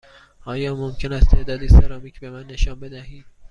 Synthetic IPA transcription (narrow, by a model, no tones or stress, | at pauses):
ʔɒːjɒːmomcʰe̞næst̪ʰe̞ʔd̪ɒːd̪iseɾɒːmiːcʰbe̞mænːe̞ʃɒːnbe̞d̪æhiːd̪̥̚